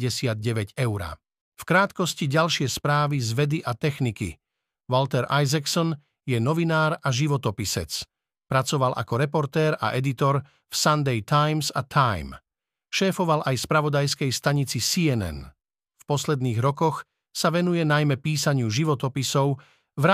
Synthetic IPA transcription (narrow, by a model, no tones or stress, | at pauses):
ɟɛsɪad̪̚ɟɛʋɛɟɛʊɾa̰ | fkɾaːt̪kɔsciɟalʃɪɛspɾaːʋizʋɛd̪iʔat̪ɛxnikḭ | ʋɔlt̪ɛɾajzaksɔn | jɛnɔʋinaːɾaʒiʋɔt̪ɔpisɛ̰t͡s | pɾat͡sɔʋalʔa̰kɔɾɛpɔɾt̪ɛːɾa̰ʔɛd̪it̪ɔɾ | fsand̪ɛjt̪ajmsat̪ʰajm | ʃɛːfɔʋalʔajspɾaʋɔd̪ajskɛjst̪aɲit͡sisiɛnɛ̰n | fpɔslɛd̪niːɣɾɔkɔx | saʋɛnujɛnajmɛpiːsaɲɪuʒiʋɔt̪ɔpisɔʊ | ʋɾa